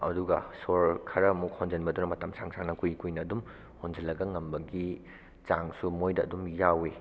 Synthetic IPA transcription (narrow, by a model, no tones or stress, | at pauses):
ɐ̰duɡɐsoɾkʰɐɾɐmuk̚hond͡ʒɐnbɐdunɐmɐtɐmsaŋsʰaŋnɐkujkujnɐːdum | hond͡ʒɐlːɐɡɐŋɐmbɐɡi | t͡ʃaŋsumojdɐɐ̰dumjawe